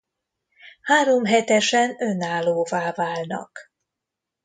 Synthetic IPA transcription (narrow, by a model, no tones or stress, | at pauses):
haːɾo̞mɦɛt̪ɛʃɛnønaːloːvaːvaːlnɒ̰k